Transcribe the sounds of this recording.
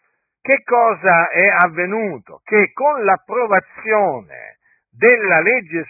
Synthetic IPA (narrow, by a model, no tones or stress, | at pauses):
k̟ekːɔːzaɛavːenuːt̪o̰k̟ekːonlapːɾovat̪sːjoːnḛ | d̪ɪlːalɛd͡ʒːes